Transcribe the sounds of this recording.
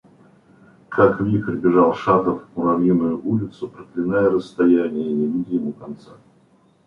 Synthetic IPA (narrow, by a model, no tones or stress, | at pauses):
kʰakvʲikɾʲbʲɪʐalˠʂat̪əfʊɾɐvʲinʊjʊʔulʲɪt̪sʊpɾəklʲɪnajəɾəst̪ɐjænʲɪjənʲɪvʲidʲɪjɪmukɐnt̪sa